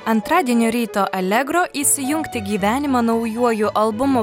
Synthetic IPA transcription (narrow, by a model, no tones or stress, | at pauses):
ɐnt̪ɾɑːd̪ʲiɛnʲoːɾʲiːt̪oːʔɐlʲɛɡɾoːʔiːsʲɪjʊŋkt̪ʲɪɡʲiːʋʲæːnʲɪmɐːnɐʊjuɔjʊʔɐlˠbʊmʊ